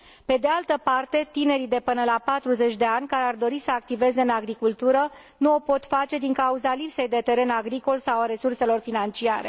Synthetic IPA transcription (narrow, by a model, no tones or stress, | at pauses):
pe̞d̪ealt̪əpart̪e̞t̪ine̞ɾid̪e̞pɨnəlapat̪ɾuze̞t͡ʃʲd̪e̞anʲkaɾeard̪o̞ɾisəak̚t̪ive̞ze̞ɨnaɡɾikult̪uɾə | nuo̞po̞t̪fat͡ʃe̞d̪iŋkauzalipse̞jd̪e̞t̪e̞ɾe̞naɡɾiko̞lsawaɾe̞surse̞lo̞rfinant͡ʃia̰ɾe̞̰